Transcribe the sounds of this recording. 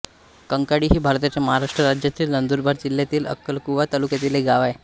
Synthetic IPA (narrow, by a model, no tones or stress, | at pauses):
kəŋkaɽiːɦiːbʱaɾt̪at͡ɕaməɦaɾaʂʈɾəɾad͡ʑjat̪iːlnənd̪uːɾbʱaɾd͡ʑilːjat̪iːlə̰kːəlkuʋat̪alukjat̪iːleɡaʋaj